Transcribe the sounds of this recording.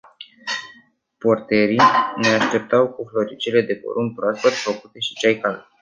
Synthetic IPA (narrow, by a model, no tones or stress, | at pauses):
po̞rt̪e̞ɾine̞aʃt̪e̞p̚t̪awkuflo̞ɾit͡ʃile̞d̪e̞po̰ɾunpɾoaspet̪ʲfəkut̪e̞ʃi̥t͡ʃajkal